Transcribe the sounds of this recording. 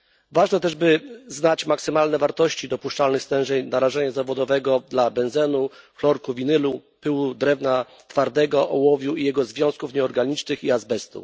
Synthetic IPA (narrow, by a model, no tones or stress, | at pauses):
vaʐnɛt̪ɛʐbɘznat͡ɕmaksɘmalnɛvaɾt̪ɔɕt͡ɕid̪ɔpuʂt͡ʂalnɘxst̪ɛ̃wʐɛɲnaɾaʐɛɲazavɔd̪ɔvɛɡɔd̪labɛnzɛnuklɔɾkuvʲinɘlupɘwud̪ɾɛvna | t̪faɾd̪ɛɡɔʔɔwɔvʲjuijɛɡɔzvʲjɔ̃w̃skufɲɛɔɾɡaɲit͡ʂnɘxiazbɛst̪ṵ